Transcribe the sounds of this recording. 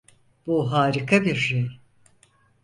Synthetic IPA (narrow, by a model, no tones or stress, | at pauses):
b̥uɦaːɾikʰabiɾʃej